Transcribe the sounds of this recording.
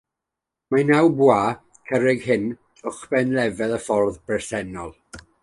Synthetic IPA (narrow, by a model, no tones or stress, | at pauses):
manawbwaː | kʰəɾɪɡhɪn | ʊχb̥ɛnlɛvɛðəfɔrðbɛrsɛnɔlˠ